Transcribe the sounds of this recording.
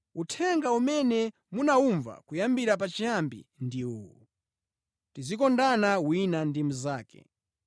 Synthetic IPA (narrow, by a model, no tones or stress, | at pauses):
utʰɛŋɡaumɛnɛ | munauɱva̰kujambiɾap̬at͡ʃijambḭndiuwṵ | tizikɔndanawinandimuzaːkɛ̰